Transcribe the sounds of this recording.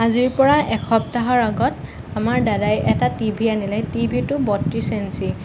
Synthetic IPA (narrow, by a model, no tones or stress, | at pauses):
aziɹpɔɹaʔɛkʰɔp̚taɦɔɹaɡɔt | amaɹdadajʔɛtatibʱianilɛjtibʱitʊbɔtɹisensi